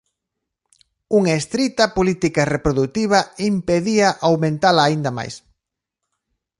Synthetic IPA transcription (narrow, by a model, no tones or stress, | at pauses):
uŋɐest̪ɾit̪ɐpolit̪ikɐrepɾoðut̪iβ̞ɐimpeðiɐʔawmẽnt̪alɐːind̪ɐma̰js